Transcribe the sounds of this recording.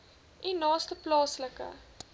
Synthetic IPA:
ʔinɑːstəplɑːsləkə̰

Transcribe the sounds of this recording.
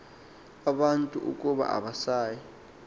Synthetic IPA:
aɓantʼuʔṵkʼuɓa̰ʔa̰ɓasaːji

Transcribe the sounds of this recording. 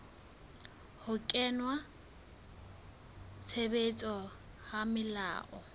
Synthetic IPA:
hʊkʼɛnwa | t͡sʰebet͡sʼɔ | hamɪla̰ːʔɔ

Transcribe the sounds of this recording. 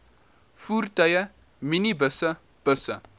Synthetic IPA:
fuɾt̪ɐjɐ | minibəsɐ | b̥əsɐ̰

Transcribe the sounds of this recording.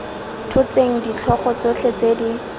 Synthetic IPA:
tʰʊt͡seŋ̩dit͡ɬʰɔχɔt͡sot͡ɬʰet͡sedi

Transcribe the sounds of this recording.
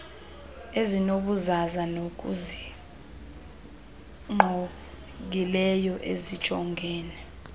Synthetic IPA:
ezinoɓuzazanok̬ʼṵzi | ŋ͡ǃo | k̬ilɛjɔʔezi̥t͡ʃʼɔŋɡʱɛːnɛ

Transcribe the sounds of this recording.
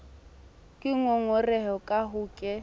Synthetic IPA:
kʼɪŋɔŋɔrɛɦɔkʼaɦuːkʼɛ

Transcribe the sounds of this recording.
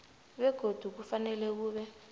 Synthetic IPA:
βɛɡ̥ʱod̥ʱuk̬ufanɛlɛkuːβɛ

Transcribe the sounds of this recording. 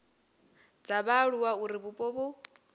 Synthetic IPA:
d͡zaβaɺuwauɾiβupʼɔβu

